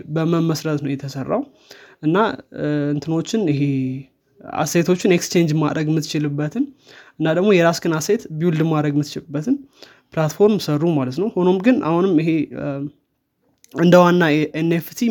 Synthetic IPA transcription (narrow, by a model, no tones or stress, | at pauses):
bəməmːəsɾət̪nəwjɛt̪ʰəsərːa̰w | ʔɨnːaɨnt̪ʰɨno̞t͡ʃːɪnɪɦe | a̰sejt̪ʰo̞t͡ʃːɪneksɨ̥t͡ʃe̞nd͡ʒmad̪ɾəɡmɨt̪ːt͡ʃɪlɨbːət̪ʰɨnʔɨnːad̪əɡmo̞jɛɾasɡɨnaset̪biwuld̪ɨmad̪ɾəɡmːɨt̪t͡ʃɪlbːət̪ʰɨn | plat̪fo̞ɾmsərːumalət̪nəwho̞no̞mɡɨna̰hunɨmɪɦe̞ | ɨnd̪əwanːaʔeneft̪ʰi